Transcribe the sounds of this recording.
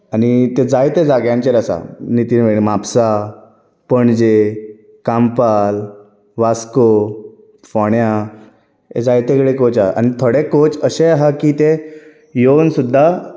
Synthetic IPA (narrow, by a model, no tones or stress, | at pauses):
anit̪ed͡zajt̪ed͡zaɡjãɲt͡ɕeɾəsa̰nit̪inʋeɽemapsa | pəɳd͡ʑe | kampal | ʋasko | fɔɳja | ḛd͡zajt̪ekɽekot͡saʔa̰nit̪ʰoɽekot͡səɕeɦakit̪e | jonsud̪ʱːa